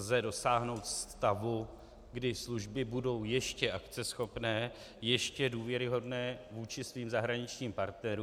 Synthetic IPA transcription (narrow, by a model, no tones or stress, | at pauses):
zɛdo̞saːɦno̞wt̪st̪avu | ɡdɪsluʒbɪbudo̞wjɛʃcɛʔakt͡sɛsxo̞pnɛː | jɛʃcɛduːvjɛɾɪɦo̞dnɛːvuːt͡ʃɪsviːmzaɦɾaɲɪt͡ʃɲiːmpaɾt̪nɛɾuː